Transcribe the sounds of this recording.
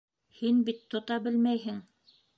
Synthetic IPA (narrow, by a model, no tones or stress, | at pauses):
hinbit̪ːŏt̪ɑbɘlmæjɦɘŋ